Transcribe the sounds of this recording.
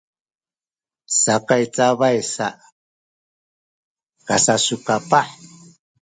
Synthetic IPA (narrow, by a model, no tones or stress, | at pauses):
sakajt͡saβajsaʔ | kasasukapaħ